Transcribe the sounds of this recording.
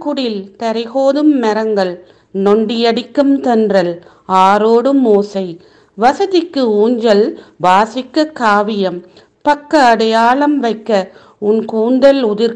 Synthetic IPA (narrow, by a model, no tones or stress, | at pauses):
kʊɽɪlt̪ɐɾɪɣoːðɯmːɛɾɐŋɡɐɭ | nɔɳɖɪjɐɽɪkːɯmt̪ɐndrɐl | aːɾoːɽɯmoːsɐɪ | ʋɐsɐðɪkːɯuːɲd͡ʒɐlʋaːsɪkːɐkaːʋɪjɐm | pɐkːɐːɽɐjaːɭɐmʋɐɪkːɐ | ʊnkuːnd̪ɐlʊðɪɾ